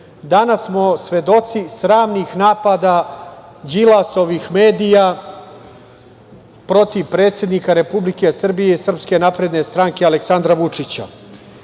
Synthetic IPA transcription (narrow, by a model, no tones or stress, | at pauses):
d̪anasːmo̞sʋe̞d̪o̞t̪sisɾaːmniːxnaːpad̪aː | d͡ʑilaso̞ʋixme̞ːd̪ija | pɾo̞t̪iʋpɾe̞ːt̪sʲje̞d̪nikaɾe̞publike̞sr̩bijeisr̩pske̞napɾe̞d̪ne̞st̪ɾaŋke̞aleksand̪ɾaʋut͡ʂit͡ɕa̰